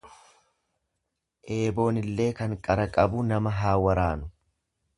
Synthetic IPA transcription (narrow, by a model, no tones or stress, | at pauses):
ʔe̞ːbo̞ːnɪlːe̞ːkɐŋkʼɐɾɐkʼɐbuːnɐmɐɦaːwɐɾaːnʊ